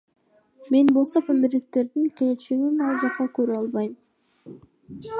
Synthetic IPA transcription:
me̞nbo̞lˠsopʰæmɪɾlɪk̚t̪e̞ɾd̪iŋkʲe̞le̞t͡ʃeɡinɑlˠd͡ʒɑqːɑkøɾyɑlˠβɑjm

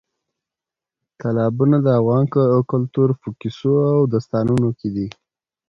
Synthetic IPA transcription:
k̪alɑbunad̪əavɣɑnkəkʊlt̪uɾpəkisoawd̪ast̪ɑnunoked̪i

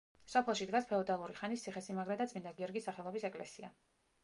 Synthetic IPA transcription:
sɔpʰlɛlˠʃid̪ɡaspʰɛɔd̪alˠuɾiχanist̪sʰiχɛsimaɡɾɛd̪at̪sʼmind̪aɡiɔɾɡisːaχɛlˠɔbisɛkʼlɛ̰sia̰

